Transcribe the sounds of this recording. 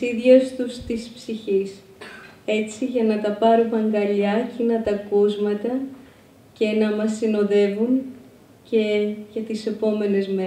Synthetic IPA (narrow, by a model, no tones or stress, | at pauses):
iðʝɐst̪ust̪ispsiçis | e̞t͡siʝɐnɐt̪ɐpɐɾuɣɐŋɡɐʎɐcinɐt̪ɐkozmɐt̪ɐ | ce̞nɐmɐsːino̞ðe̞vun | ce̞ʝɐt̪ise̞po̞me̞ne̞zme